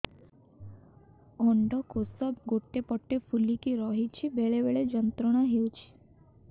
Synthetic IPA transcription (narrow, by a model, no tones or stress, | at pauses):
ɔɳɖɔkosəb̚ɡoʈːepəʈːefulikiɾɔɦit͡ʃʰibeɭeʋeɭed͡ʒənt̪ɾəɽ̃aɦiut͡ʃʰi̥